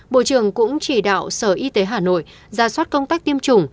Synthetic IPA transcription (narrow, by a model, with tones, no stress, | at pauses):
ɓo̰˧˨t͡ɕɨ˧˩əŋkʊ̰˧˥ŋ͡mt͡ɕi˧˩ɗa̰ː˧˨wsəː˧˩ʔi˧t̪e˨˦ɦaː˨˩no̰˧˨j | zaː˨˩swaː˦˥t̚kə˧wŋ͡mt̪aː˦˥k̚t̪i˧əmt͡ɕʊ˨˩ŋ͡m